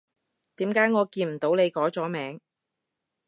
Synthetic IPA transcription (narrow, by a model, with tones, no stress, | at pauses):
t̪iː˨˥mkaː˨˥jŋɔː˨˧kiː˧nm̩˨˩t̪o˨˥wne˨˧jkɔː˨˥t͡sɔː˨˥mɛː˨˧˥ŋ